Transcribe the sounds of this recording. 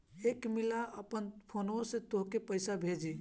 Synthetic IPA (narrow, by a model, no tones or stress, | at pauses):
ekmilaʔəpənpʰonosẽt̪oɦkepəjsabʱed͡ʒi